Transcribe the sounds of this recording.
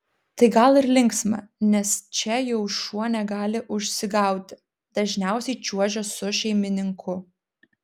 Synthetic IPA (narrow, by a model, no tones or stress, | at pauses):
t̪ɐɪɡɐlˠɪɾlʲɪŋksmɐ̰nʲɛst͡ʃʲɛjɛʊʃuɔnʲɛɡɑːlʲɪʔʊʃʲsʲɪɡɑˑʊt̪ʲɪ | d̪ɐʒʲnʲɛˑʊsʲɛɪt͡ʃʲuɔʒʲoːsʊʃʲɛɪmʲɪnʲɪŋkʰʊ